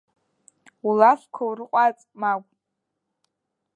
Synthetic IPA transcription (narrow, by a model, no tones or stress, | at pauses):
ulafkʷʰawrɨqʷʼat͡sʼmakʷʼ